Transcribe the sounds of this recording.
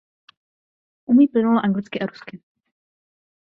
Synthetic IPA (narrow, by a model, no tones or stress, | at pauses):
ʔumiːplɪnuloʔaŋɡlɪt͡skɪʔaɾuskɪ